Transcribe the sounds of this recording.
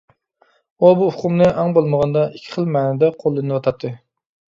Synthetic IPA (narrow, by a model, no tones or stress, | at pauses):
obuʊqumnɨʔɑŋbolˠməʁɑnd̪ɑikʲʰːi̥χəlˠmæːnɛd̪ɛqʰolˠːɨnɨwɑt̪ʰɑt̪ʰːɨ